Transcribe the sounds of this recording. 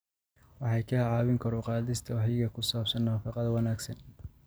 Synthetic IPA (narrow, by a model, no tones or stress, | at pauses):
wɑħɑjkʰɐhʕɑːβɪŋkʰɐɾʊqɑːðɪst̪ʰɐwħɪɣɐkʰʊsaːbsɐnnaːfɑqɑðɐwɑnaːɡsɐn